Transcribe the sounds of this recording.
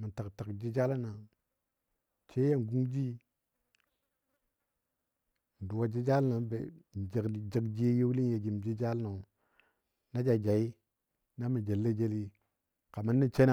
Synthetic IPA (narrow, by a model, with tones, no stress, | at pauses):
ma˨nta˨kta˨kd͡ʒi˦d͡ʒa˦la˦na˨ | t͡ʃe˦ja˦n˨ɡu˦ŋd͡ʒi˦ | n˨du˨wa˦d͡ʒi˦d͡ʒa˦lna˨˦bḛ˨d͡ʒa˨kd͡ʒa˦kd͡ʒi˦je˦wli˦nje˨d͡ʒi˨md͡ʒi˦d͡ʒa˦lna˨u˨ | na˦d͡ʒa˨d͡ʒa˨i˦ | na˦mi˨d͡ʒe˨lːe˦d͡ʒe˦li˦ | ka˨ma˦nːi˦t͡ʃe˦na˨